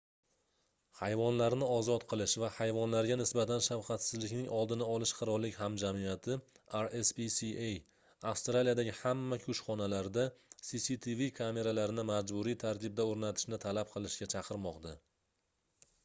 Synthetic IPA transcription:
hajvɒnlaɾnɪɒzɒt̪qʰɨlˠɪʃvahajvɒnlaɾɡʲanɪsbat̪ʰanʃafqɑt̪sɪzlɪkʲnɪŋɒlˠd̪ɪnaɒlɪʃqʰɨɾɒlːɪkʲhamd͡ʒamijat̪ʰɪ | aɾespisiej | afst̪ɾalijad̪aɡʲɪhamːakʲʰʊʃχɒnalaɾd̪asisit̪ʰivikʰame̞ɾalaɾɪnɪmad͡ʒbʊɾijt̪ʰaɾt̪ʰɪb̚d̪aoɾnat̪ʰɪ̥ʃnɪt̪ʰalap̚qʰɨlˠɪʃɡʲat͡ʃʰɑqʰɨɾmɒqd̪a

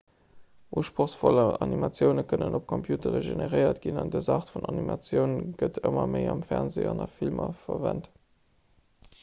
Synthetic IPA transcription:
ʔuːʃpʁoxsfoləɑnimɑt͡sjəʊnəkʰənənʔop̚kʰompʰjuːtəʁəʒeneʁəɪɐtɡ̥inɑndəzɑːχtfunɑnimɑt͡sjəʊnɡ̥ətʰəmɐməɪɑmfɛʁnzeːɑnɑfilmɐfɐvænt

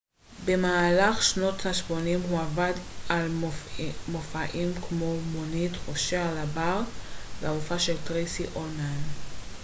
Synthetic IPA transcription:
be̞maːlaχʃno̞thaʃmo̞nimɦuavadal | mofaʔimkmomonitoʃealabaʁveaufaʃeltʁesiʔonan

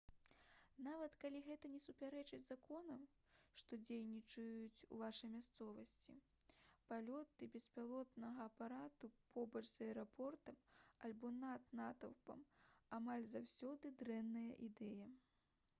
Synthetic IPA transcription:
navɐt̪kalʲiɣɛt̪ɐnʲɛsupʲaɾɛt͡ʂɨd͡zʲzakʰɔnɐm | ʂt̪ɔd͡zʲejnʲit͡ʂɐjut͡sʲṵvaʂɐjmʲast̪sɔvɐsʲt͡sʲḭ | palʲɔt̪ɨbʲɛspʲalˠɔt̪nɐɣɐːpaɾat̪upɔbɐt͡ʂz̥ɐɛɾapʰɔrt̪ɐmalʲbɔnat̪nat̪ɐwpɐ̰mamalʲzawsʲɔd̪ɨd̪ɾɛnːɐjɐʔid̪ɛjɐ

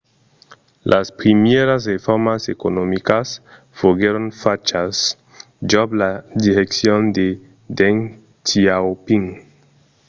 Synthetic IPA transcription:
lʔaspɾimjeɾas̬ʁefoɾmasekonomikas | foɡeɾonfat͡ʃas | d͡ʒablad̪iɾeksiond̪e | d̪eŋ | tʰiawpiŋ

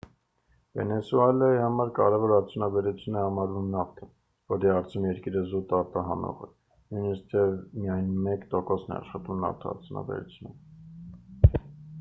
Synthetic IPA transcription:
vɛ̰nɛsuɛlɑjihɑmɑɾkɑ̰ɾɛvɔɾɑɾt͡sʰjunɑbɛɾut͡sʰjunɛhɑmɑlunɑft̪ʰɛn | vɔɾiɑɾt͡sʰjunjɛɾkiɾəzut̪ɑɾt̪ɑɦɑnɔ̰ʁɛ̰ | nujnəst̪ʰɛvmijɑjnmɛkt̪ɔkɔsnɛ̰ɑ̰ʃχɑt̪vumnɑ̰ɾt̪ʰɔɑ̰ɾt͡sʰjunɑ̰bɛ̰ɾut͡sʰjunə

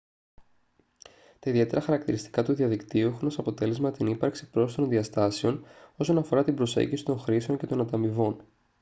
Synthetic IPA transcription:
t̪ɐiðie̞t̪eɾɐxɐɾɐkt̪iɾist̪i̥kɐt̪uðiɐðikt̪iuexunosɐpo̞t̪e̞le̞zmɐt̪inipɐɾksi̥pɾo̞st̪o̞nðiɐst̪ɐse̞o̞no̞so̞nɐfo̞ɾɐt̪ibɾo̞sḛɲɟisi̥t̪o̞ŋxɾise̞o̞ɲce̞t̪o̞nɐt̪ɐmivo̞n

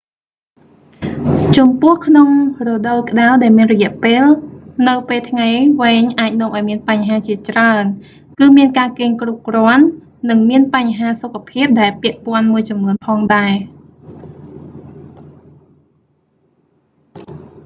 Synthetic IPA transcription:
t͡ɕɑmpʊ̆əhkʰnoŋrɔːɗowkə̆ɗaɗaɛlmiənrɔjɛ̆əʔpeːlnɨwpeːlt̪ʰŋajʋeːɲʔaːc̚nŏəmʔaɔjmiənpaɲɦaːt͡ɕiət͡ɕraən | kɨːmiənkaːkeːɲkrup̚krŏənː | ɨŋmiənpaɲɦaːsokʰːapʰiəp̚ɗaɛlpĭəʔpŏənmuəjt͡ɕɑmnuənpʰɑːŋɗaɛ

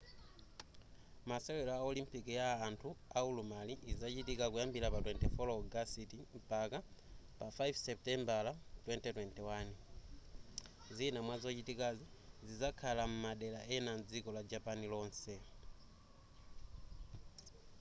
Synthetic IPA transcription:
masɛwɛlaaɔlimpikijaːntʰuaulumaliʔizat͡ʃitikakujambilapatwɛntɛfɔlɔɡasitim̩pakapafajfsɛp̚tɛmbalatwɛntɛtwɛntɛwan | zinamwazɔt͡ʃitikazizizakʰalamumaɗɛlaʔɛnand͡zikɔlad͡ʒapanilɔːnsɛ

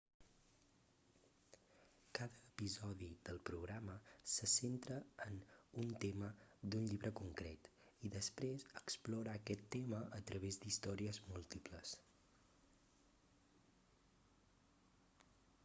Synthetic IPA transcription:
kaðəːpizɔðid̪əlˠpɾuɣɾaməsəsent̪ɾəːnunt̪eməd̪unʎiβɾəkuŋkɾet̪iðəspɾezəksploɾaːkɛt̪ːeməʔət̪ɾəβ̞ezd̪ist̪ɔɾiəzmulˠt̪ipləs

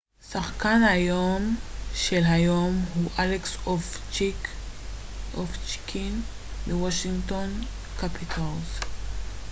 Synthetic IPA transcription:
saχkanhajomʃelɦajomhuʔaleksoft͡ʃi | ʔoft͡ʃkʰin | miwaʃiŋɡt̪on | kapʰit̪ʰalz

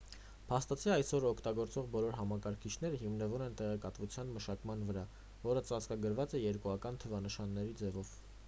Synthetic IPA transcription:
pʰɑst̪ɑt͡sʰiɑjsɔɾɔkʰt̪ɑɡɔɾt͡sɔʁbɔlɔɾɦɑmɑkɑɾkʰit͡ʃʰn̪ɛɾəɦimnəvunɛnt̪ɛʁɛkɑt̪vut͡sʰjɑnməʃɑkmɑn̪vəɾɑ | vɔɾət͡sɑt͡skɑɡəɾvɑt͡sɛjɛɾkuɑkɑnt̪ʰəvɑnəʃɑnːɛɾid͡zɛvɔv̥

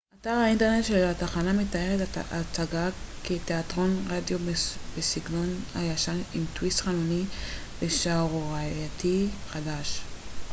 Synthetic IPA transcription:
ʔataʁhaintene̞t̪ʃelataχanametaje̞ʁetat͡saɡaketeatʁo̞nʁadjobesiɡno̞nhajaʃanimtwist̪χanuni | beʃaʁoʁajatʰiχadaʃ

